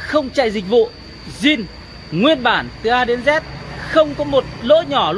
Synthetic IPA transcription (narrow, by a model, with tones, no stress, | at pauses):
xə˧wŋ͡mt͡ɕa̰ː˧˨jzï˨˩k̟̚vṵ˧˨ | zi˧n | ŋwi˧ənɓaː˧˩nt̪ɨ˨˩ʔaː˧ɗe˨˦nzɛ˦˥t̚xə˧wŋ͡mkɔ˨˦mo˨˩t̚lo̰˧˥ɲɔ˨˧˩l